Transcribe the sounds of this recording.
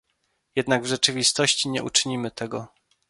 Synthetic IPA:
jɛd̪naɡvʐɛt͡ʂɘvʲist̪ɔɕt͡ɕiɲɛ̰ʔṵt͡ʂɘɲimɘt̪ɛɡɔ

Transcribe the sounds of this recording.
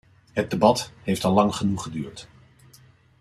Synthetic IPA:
ɦəd̚debɑtɦejftɑlːɑŋχənuχədyːɹt

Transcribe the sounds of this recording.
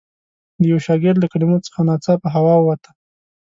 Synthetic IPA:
d̪əjawʃɑɡɪɾlakaɽɪmot͡sə̥xanɑt͡sapəɦawɑwat̪a

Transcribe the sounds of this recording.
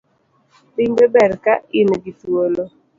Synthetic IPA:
pɪŋbɛbɛɾkaɪnɡitwolo

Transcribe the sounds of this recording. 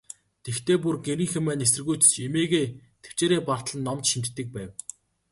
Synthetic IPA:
t̪ext̪ʰeːpurɡeɾĭːŋxĕmæːnes̬ɘ̆rɣujt̪ɘ̥̆t͡ɕemeːɣeːt̪ʰe̥w̥t͡ɕeːɾeːpar̥t̪ɮə̆nːɔmt͡ɕʃint̪t̪ːɘ̆k̚pæːw

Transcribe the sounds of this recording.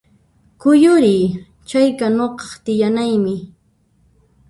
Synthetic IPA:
kʊjʊɾɪj | t͡ʃajkanoqɑ̥χt̪ɪjanajmɪ

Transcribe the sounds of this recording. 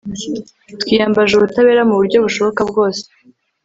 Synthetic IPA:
twiːjaːmbaʒuβutaβe̞ːɾamuβuɾɟo̞βuʃo̞βo̞kabɡo̞ːse̥

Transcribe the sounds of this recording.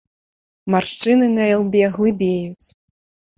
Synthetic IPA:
marʂt͡ʂɨnɨnɐɛlˠbʲɛɣlˠɨbʲejut͡sʲ

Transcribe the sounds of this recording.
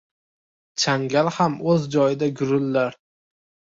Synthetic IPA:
t͡ʃʰaŋɡʲalhamɵzd͡ʒɒjɪd̪aɡʲʊɾɪlːaɾ

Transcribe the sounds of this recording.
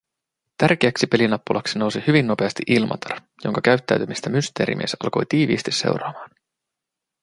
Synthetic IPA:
t̪ærk̟e̞æksipe̞linɑpːulʔɑksino̞wsihyʋinːo̞pe̞ɑst̪iʔilmʔɑ̰t̪ʰɑr | jo̞ŋkɑkæɥt̪ːæ̰ɥt̪ymist̪æmyst̪e̞ːɾʔḭmḭesɑ̰lko̞̰jt̪iːʋḭːst̪isse̞̰wɾɑːmɑːn

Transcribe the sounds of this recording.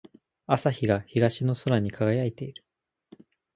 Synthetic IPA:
asaçiɡaçiɡaɕino̞soɾaɲ̟ikʰaɡajait̪e̞iɾɯ̟

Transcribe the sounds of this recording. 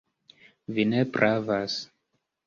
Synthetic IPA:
vinepɾʔavas

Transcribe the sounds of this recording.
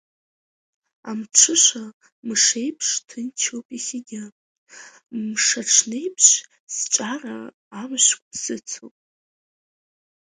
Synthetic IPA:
a̰mʈ͡ʂʰɨʂʷa | mʂe̞jpʰʂtʰɨnt͡ʃʰowpʼiχʲɪɡʲɪ | mʂaʈ͡ʂʰne̞jpʰʂ | sʈ͡ʂʷʼara̰ː | mʃʷkʷʰʼsɨt͡sʰo̰pʼ

